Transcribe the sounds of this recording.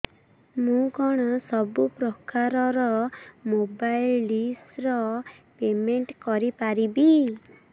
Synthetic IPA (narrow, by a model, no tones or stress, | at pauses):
mũkɔɽ̃ɔsɔbupɾɔkaɾɔɾɔmobajlɖisɾɔpemeɳʈkɔɾipaɾibi